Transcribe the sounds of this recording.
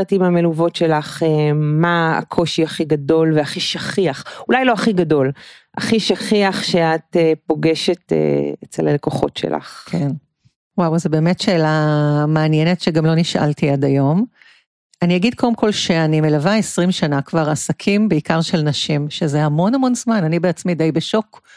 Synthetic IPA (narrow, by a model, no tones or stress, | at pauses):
atimameluvo̞tʃelaχemaa̰kʰo̞ʃiaχiɡado̞lveaχiʃaχiaχulajlo̞aχiɡado̞l | ʔaχiʃaχiaχʃeat̪epo̞ɡeʃetḛet͡selanekoχo̞̰tʃḛlʔa̰χkʰen | wawzebeːme̞tʃeːlamaːnjenetʃeɡamlo̞niʃʔa̰ltiadajo̞m | aniaɡid̚kʰodemkʰo̞lʃeanimelavaesʁimʃanakvaʁasakʰimbeikaʁʃe̞lnɐʃimʃezehamo̞nhamo̞nzmananibeat͡smid̪ejbeʃo̞k